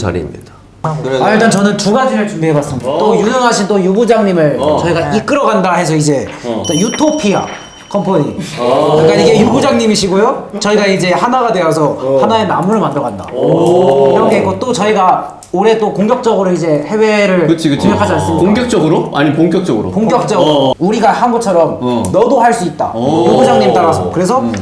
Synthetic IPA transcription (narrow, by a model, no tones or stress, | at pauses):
sa̰ɾḭmɲḭd̥a | aiɭt͈ant͡ɕʌnɯntuɡad͡ʑiɾɯɭt͡ɕumbiɦe̞bas͈ɯmɲidat͈ojuʌnɦaɕʰintojubud͡ʑaŋɲimɯɭt͡ɕʌiɡaik͈ɯɾʌɡandaɦe̞s̬ʰʌid͡ʑe̞ | kajutʰopʰia̰ | kʰʌmpʰoɲi | k͈aiɡe̞jubud͡ʑaŋɲimiɕʰiɡojot͡ɕʌiɡaid͡ʑe̞hanaɡadwe̞ʌsʰʌhanae̞namuɾɯɭmandɯɾʌɡanda̰ | iɾʌkʰeɡʌt͈ot͡ɕʌiɡa | oɾe̞t͈okoŋɡjʌk̚t͡ɕ͈ʌɡɯɾoid͡ʑe̞he̞we̞ɾɯɭɯt͡ɕʰiɯoŋɡjʌkʰad͡ʑians͈ukoŋkjʌk̚t͡ɕ͈ʌɡɯɾoa̰ɲipoŋk͈ʲjʌk̚t͡ɕ͈ʌɡɯɾo̰poŋk͈jʌk̚t͡ɕ͈ʌɡɯɾouɾiɡahanɡʌt͡ɕʰʌɾʌmnʌdohaɭs͈uit̚t͈a̰juɡud͡ʑaŋɲimet͈aɾasʰʌokɯɾe̞s̬ʰʌ